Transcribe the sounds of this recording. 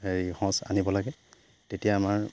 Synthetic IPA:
eɹihɔ̃sa̰nibɔlaɡɛ | tetijaːmaɹ

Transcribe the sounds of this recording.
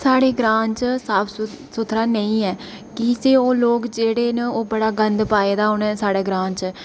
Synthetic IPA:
saːɽeːɡɾãːɲt͡ʃsaːpʰ | sʊt̪ʰɾaːnəĩːɛː | kɪseːoːloːkd͡ʒeːɽeːnəoːbəɽaːɡənd̪paːeːd̪aːʊnɛ̃ːsaːɽeːɡɾãːɲt͡ʃː

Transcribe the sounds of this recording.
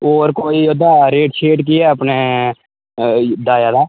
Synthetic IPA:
oːɾkoːiːoːd̪aːɾeːʈʃeːɖk̬ɪɛːəpneː | d̪aːjaːd̪aː

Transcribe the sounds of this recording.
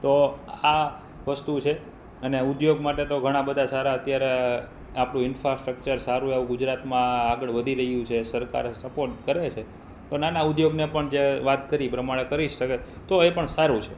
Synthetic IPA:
t̪oa | ʋəst̪ut͡ʃʰe | əneud̪joɡmaʈet̪oɡʱəɽ̃ãbəd̪ʱasaɾaət̪jaɾe | apɽ̃ũɪnfɾasʈɾək̚t͡ʃəɾsaɾũaʋũɡʊd͡ʒɾat̪mãːɡəɭʋəd̪ʱiɾəɦjũt͡ʃʰesəɾka̰ɾsəpoɾʈkəɾet͡ʃʰe | t̪onanaʊd̪joɡnepəɳd͡ʒeʋat̪kəɾipɾəmaɭ̃ekəɾiʃəke | t̪oepəɳsaɾũt͡ʃʰe

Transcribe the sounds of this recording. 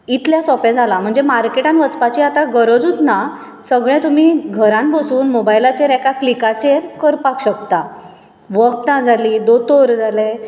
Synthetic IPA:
it̪ljasɔpẽd͡zʱalam̤əɳd͡zemaɾkeʈãnʋət͡spat͡ɕiat̪aɡəɾəd͡zut̪na | səɡɭɛ̃t̪um̤iɡʱəɾãnbosuːnmobajlat͡ɕeɾɛkaklikat͡ɕeɾkəɾpakɕəkt̪a | ʋək̚t̪ãd͡zʱalid̪ot̪oɾd͡zʱalẽ

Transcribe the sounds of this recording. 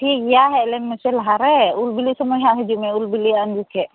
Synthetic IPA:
ʈʰik̚jaɦɛlɛnmɛsɛlɦaɾɛulbilisəmɔɦjaɦɛd͡ʒumɛ̃ulbiliand͡ʒukʰɛ

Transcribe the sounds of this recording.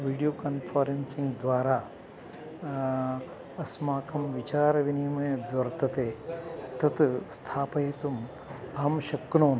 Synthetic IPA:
ʋiːɽijoːkɐnpʰɐɾensiŋɡd̪ʋaːɾaː | ɐsmaːkʰɐmʋit͡ʃaːɾɐʋinimɐjʋʋɐɾt̪ɐt̪eːt̪ɐt̪st̪ʰaːpɐet̪um | ɐɦɐmʃɐkːnoːn

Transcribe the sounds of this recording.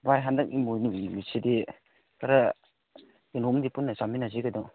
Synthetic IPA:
bajɦandɐk̚imojnumiside | kʰaɾa | enomdipunːɐsaminaziɡɐdɔ

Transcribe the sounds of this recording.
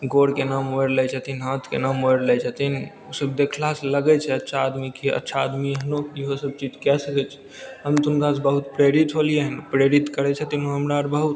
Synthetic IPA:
ɡoɽkenamoeɾlɛt͡ʃʰət̪inɦãt̪ʰkḛnamoeɾlɛt͡ʃʰət̪in | osəbd̪ekʰlaseləɡɛt͡ʃʰɛətːʃʰaːd̪mikeə̰tːʃʰaːd̪miɦənoiɦosəb̚t͡ʃid͡ʒkɛsəkɛt͡ʃʰɛ̥ | ɦəmt̪unkas̬bəɦut̪pɾeɾit̪ɦolijeɦənpɾeɾit̪kəɾɛt͡ʃʰɛt̪inoɦəmɾaɾbəɦut̪

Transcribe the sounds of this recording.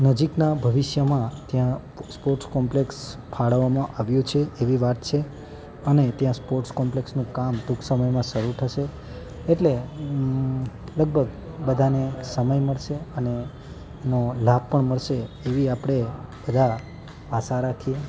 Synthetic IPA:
nəd͡ʒiknabʱəʋɪʃjəmãt̪jã | spoɾʈskɔmplekspʰaɭəʋːamãʔaʋjũt͡ʃʰeeʋiʋat̪̚t͡ʃʰe | ənet̪jãspoɾʈskɔmpleksnũkamd̪ʱukʰsəməjmãʃəɾut̪ʰəʃe | eʈle | ləɡ̚bʱəɡ | bəd̪ʱanesəməjməɭʃeəne | nolab̚ʱpəɳməɭʃeːʋiapɽ̃ebəd̪ʱa | asaɾakʰie

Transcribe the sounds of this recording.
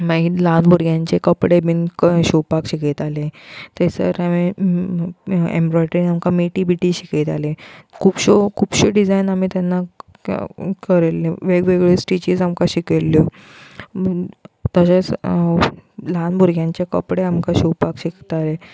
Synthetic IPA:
mailanbʱuɾɡjaɲt͡ɕekəpɽebinkɕuwpakɕiket̪alet̪esə̰ɾami | ḛmbɾɔjʈɾĩŋamkameʈibiʈiːɕiket̪alekʰuːpɕokʰuːpɕeɖid͡zainamiːt̪janːa | kəɾeleʋeɡʋeɡɭesʈit͡ɕiːd͡zamkaɕikelːo | t̪əɕat͡s | lanbʱuɾɡjãɲt͡ɕekə̰pɽeamkaɕuwpakɕikt̪ale

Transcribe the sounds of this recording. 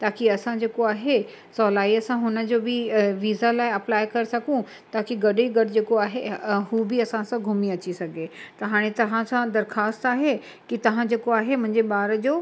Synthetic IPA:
t̪aːkʰiɐsãd͡ʑeːkoaːɦe | sɔːlaːiɐsãɦʊnə̆d͡ʑoːbɪʋiːzalaːɪɐplaːɪkɐɾesɐɡʱũ | t̪aːkʰiɡɐɗeɡɐɖd͡ʑeːkoaːɦeɦuːbɪɐsãsãɡʱʊmiɐt͡ɕisɐɡʱet̪ɐɦaːɽ̃et̪ɐʋ̤ãsãd̪ɐɾxaːst̪aːɦe | kit̪ɐʋ̤ãd͡ʑeːkoaːɦemʊ̃ɦɪ̃ɲd͡ʑeɓaːɾəd͡ʑoː

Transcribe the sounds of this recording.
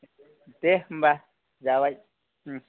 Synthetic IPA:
t̪emba | jaβaj̩̃

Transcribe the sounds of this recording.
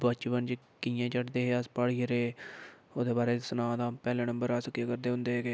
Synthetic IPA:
bat͡ʃːbənd͡ʒi | kijãːt͡ʃəʈd̪eːɦeːaspaːɽiːəɾeːoːd̪eːbaːɾeːsənãːd̪ãːpɛːlẽːnə̃mbəɾaːsəkːiekəɾd̪eːɦʊ̃nd̪eːɦeːɡeː

